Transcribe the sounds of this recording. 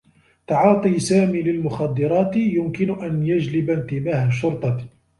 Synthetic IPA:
t̪ɑʕɑːt̪ˤiːsaːmiːlɪlmʊxɑd̪ːɨɾˤɑːt̪jʊmkɪnʊʔanjad͡ʒlɪbant̪ɪmaːhaʃːʊɾt̪ˤɑ

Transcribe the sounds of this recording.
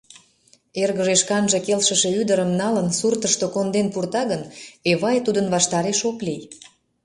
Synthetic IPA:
erɣəʒeʃkɑnʒekelʃəʃe̽yd̪əɾəmnɑlənsurt̪əʃt̪okond̪enpurt̪ɑɣəneβɑjt̪ud̪ənβɑʃt̪ɑɾeʃoklij

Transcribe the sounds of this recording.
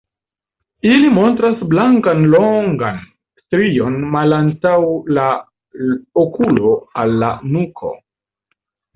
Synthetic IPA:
ilimo̞ntɾasblaŋkanloŋɡa̰n | stɾio̞nmalantawla | okulo̞alːa̰nukʰo̞̰

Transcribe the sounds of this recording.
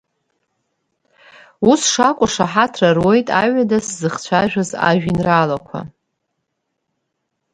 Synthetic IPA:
usʂakʷʼʊʂaħatʰrarwo̞jtʼaɥadaszɨχt͡ɕʷʰaʒᶣaza̰ʒᶣinralakʷʰa̰

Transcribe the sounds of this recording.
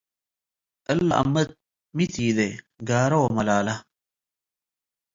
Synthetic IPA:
ɐlːa̰ʔɐ̰mːɐt̪̚ | mit̪iːd̪e | ɡaːɾɐwomɐlaːlɐ

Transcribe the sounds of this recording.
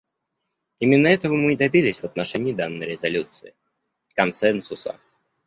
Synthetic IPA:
imʲɪnːəɛt̪əvəmɨd̪ɐbʲilʲɪsʲvət̪nɐʂɛnʲɪːd̪anːəjɾʲɪzɐlʲut̪sɨɪ | kɐnsɛnsʊsə̰

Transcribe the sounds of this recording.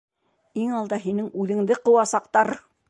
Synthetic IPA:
iŋɑlˠd̪ɑɦinɘŋʉðɘ̆ŋd̪ɘqɤ̆wɑsɑqt̪ɑɾ

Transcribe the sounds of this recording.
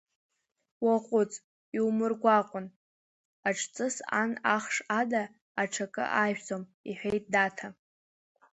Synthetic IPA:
waqʷʼʊt͡sʼ | iwmɨrɡʷaqʷʼʊn | aʈ͡ʂʰʼt͡sʼɨsa̰naχʂadaː | ʈ͡ʂʰakʼɨ̰ʔajɥᶣt͡sʼomiħʷᶣejt̚ʼdatʰa

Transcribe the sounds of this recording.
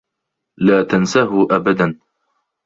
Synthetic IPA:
laːt̪ansaɦʊʔabad̪an

